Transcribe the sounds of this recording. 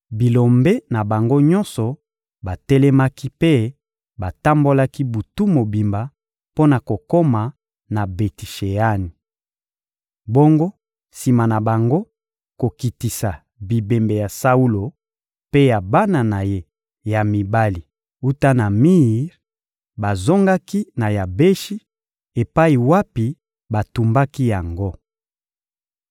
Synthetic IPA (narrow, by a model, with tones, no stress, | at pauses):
bi˨lo˨mbe˦na˨ba˨ŋɡo˦ɲɔ̃˦nsɔ˨ | ba˨tɛ˦lɛ˦ma˦ki˦pe˦ | ba˨ta˦mbo˦la˦ki˦bu˨tu˦mo˨bi˨mba˨ | po˦na˨ko˨ko˦ma˨ | na˨be˨ti˨ʃe˨a˦ni˨ | bo˦ŋɡo˦ | si˨ma˨na˨ba˨ŋɡo˦ | ko˨ki˨ti˨sa˨ | bi˨be˨mbe˨ja˨sa˦u˦lo˨ | pe˦ja˨ba˦na˦na˨je˦ | ja˨mi˨ba˦li˨ | u˦ta˦na˨mi˦ʁ | ba˨zo˦ŋɡa˦ki˦na˨ja˨be˦ʃi˦ | e˨pa˦i˨wa˦pi˨ | ba˨tu˨mba˦ki˦ja˨ŋɡo˦